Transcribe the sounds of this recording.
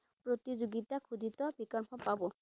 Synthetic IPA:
pɾot̪id͡ʑoɡit̪akʰud̪ʱit̪ɔbikɔɾpʰɔpabo

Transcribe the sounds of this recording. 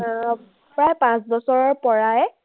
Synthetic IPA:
pɹajpãsbɔsɔɹɔɹpɔɹaj

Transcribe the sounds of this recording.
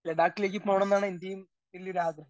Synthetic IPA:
leɖaːkːile̞ːk̬ʲːɨpo̞ːɳenːaːɳind̪ijum | tilːioɾuaːd̪rɐ

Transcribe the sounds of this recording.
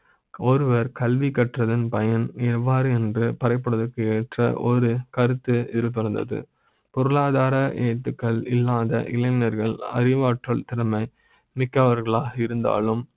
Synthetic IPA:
ɔɾɯʋɐɾkɐlʋikɐʈrɐðɯnpɐjɐnɛʋːaːɾɯɛndrɯpɐɾɐɪp̬ːɐɽɐðɯkːɯeːʈrɐ̰ʔɔɾɯkɐɾɯt̪ːɯɪðɪlp̬ɐɾɐnd̪ɐ̰ðɯ̰ | pɔɾɯɭaːðaːɾɐʔeːʈ̪ːɯkːɐɭɪ̰lːaːðɐ̰ʔɪlɐɪnɐɾɣɐɭɐ̰ɾɪʋaːʈrɐɭt̪ɪɾɐmɐɪ | mɪkːɐʋɐɾɣɐɭaːɣɐɪɾɯnd̪a̰ːlɯm

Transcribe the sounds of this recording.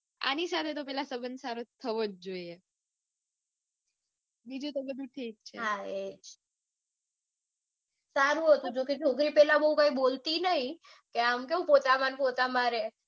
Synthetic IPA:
a̰nisat̪ʰet̪opɛlasəbənsaɾot̪ʰəʋod͡ʒd͡ʒoie | bid͡ʒũt̪obəd̪ʱuʈʰik̚t͡ʃʰḛɦaed͡ʒ | saɾuɦɔt̪ud͡ʒoket͡ʃʰokɾipɛlabəũkaibolt̪inəɦĩ | keamkeũpot̪amanpot̪amaɾe

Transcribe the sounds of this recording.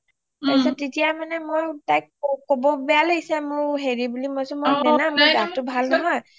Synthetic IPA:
asɛtetijamanɛmojtajkkobɔbɛaleɡisɛmʊɹɦeɹibulimɔjsʊ̃mojnamʊɡatʊbʱalnɔɦɔj

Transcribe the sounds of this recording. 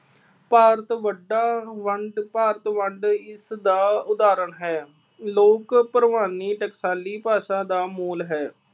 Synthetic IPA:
paːɾt̪ʋəɖaːʋəɳɖpaːɾət̪ʋəɳɖɪsd̪aːʊd̪aːɾəɳɦɛː | loːkpəɾʋaːniːʈəksaːliːpaːsãːd̪aːmuːlɦɛː

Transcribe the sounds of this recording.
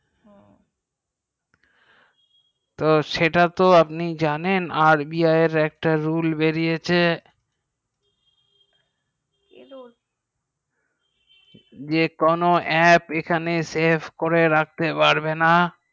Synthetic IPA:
t̪oʃeʈat̪oapnid͡ʑanenaɾbiaeɾɛk̚ʈaɾulbeɾijet͡ɕʰe | d͡ʑekonoʔɛpekʰanesepʰkoɾeɾak̚t̪epaɾbena

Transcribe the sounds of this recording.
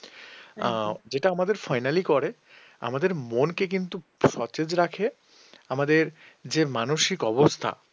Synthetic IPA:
d͡ʑeʈaamad̪eɾfajnalikɔɾe | a̰mad̪eɾmonkek̬int̪uʃɔt͡ɕed͡ʑɾakʰe | amad̪eɾ | d͡ʑemanoʃikɔbost̪ʰa̰

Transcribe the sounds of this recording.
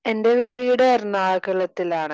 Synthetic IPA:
e̞nde̞ʋiːɽeɐrnaːkɐɭɐt̪ːilaːɳɨ

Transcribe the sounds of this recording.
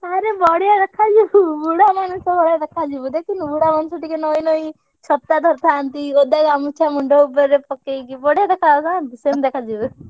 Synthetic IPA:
aɾebɔɽijad̪ekʰad͡ʒibubuɽamanusɔbɔɽad̪ekʰad͡ʒibud̪ekinubuɽamanũsɔʈikenɔinɔĩ | t͡ʃʰɔt̪ːad̪ʱɔɾt̪ʰaːnt̪iod̪aɡamut͡ʃʰamuɳɖɔupɔɾɾepɔkekibɔɽjad̪ekʰat̪at̪isemd̪ekʰad͡ʒibu

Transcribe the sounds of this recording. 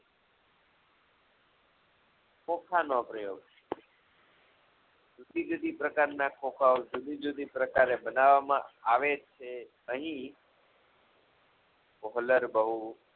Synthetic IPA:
kõkʰanopɾəjo̰ːɡ | d͡ʒud̪ʱid͡ʒud̪ʱipɾəkaɾnakokʰaod͡ʒud̪ʱid͡ʒud̪ʱipɾəkaɾebənaʋːamã̰aʋet͡ʃʰe | əɦĩ | kɔɦləɾbəɦu

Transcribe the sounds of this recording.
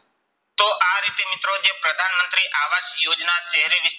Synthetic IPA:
t̪oːʔaːɾɪt̪emɪt̪ɾoːd͡ʒeːpɾəd̪ʱaːnmə̃nt̪ɾiːʔaːʋaːʃjoːd͡ʒnaːseɦɾiːnɪs

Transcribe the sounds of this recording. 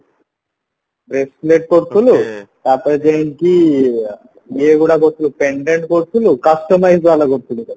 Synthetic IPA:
bɾesleʈ̚koɾt̪ulut̪apɐd͡ʒ̪enki | eɡuːɽakoɾt̪ːulupeɳɖeɳʈkoɽt̪ulukɐsʈɐmɐjd͡ʒʋaːlɐkoɽt̪ulu

